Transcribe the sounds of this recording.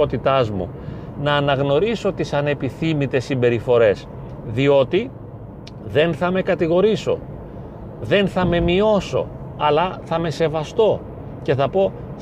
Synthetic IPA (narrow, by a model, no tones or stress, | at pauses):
ot̪it̪ɐzmṵ | nɐːnɐɣno̞ɾiso̞t̪isɐne̞piθimit̪e̞sːimbe̞ɾifo̞ɾe̞s | ðio̞t̪i | ðe̞nθɐme̞kɐt̪iɣo̞ɾiso̞̰ | ðe̞nθɐme̞mio̞so̞̰ | ɐlɐθɐme̞se̞vɐst̪o̞ | ce̞θɐpo̞